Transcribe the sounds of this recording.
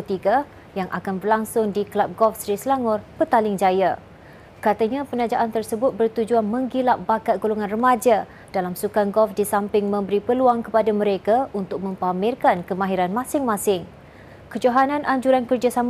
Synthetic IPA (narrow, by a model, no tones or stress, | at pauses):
ət̪iɡa | jaŋʔa̰kanbərlaŋsʊŋdikəlap̚ɡɔlfsɾisəlaŋʊrbət̪alɪŋd͡ʒaja | kat̪aɲãpənad͡ʒaʔant̪ərsəbʊt̪̚bərt̪ud͡ʒuanmə̃ŋɡilaʔ̚bakaʔɡoluŋãnrəmad͡ʒa | d̥alamsukanɡɔlfdisampɪŋmə̃mbəɾipəluaŋkəpadaməɾekaunt̪ʊk̚mə̃mpamɪrkankəmãɦiɾanmãsɪŋmãsɪŋ | kəd͡ʒoɦanãnʔaɲd͡ʒuɾankərd͡ʒasam